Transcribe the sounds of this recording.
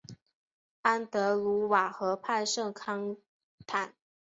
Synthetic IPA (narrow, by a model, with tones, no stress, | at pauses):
a˥nt̪ɤ˧˥lu˧˥wa˨˩xɤ˧˥pʰa˥˧ɪʂɤ˥˩ŋkʰɑ˥ŋ | t̪ʰa˨˩˦n